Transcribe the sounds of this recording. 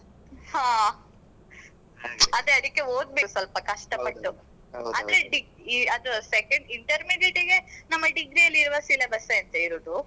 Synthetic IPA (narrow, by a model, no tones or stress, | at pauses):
haː | ɐd̪eɐd̪ikːeoːd̪̚besɐlpɐkɐʂʈɐpɐʈːu | ɐnd̪ɾeɖiɡ | iɐd̪usekɐɳɖiɳʈɐɾmiɖiʈiɡe̞nɐmːɐɖiɡɾijɐlːiɾuʋɐsilɐbɐsɐɐnt̪ɐiɾoːd̪u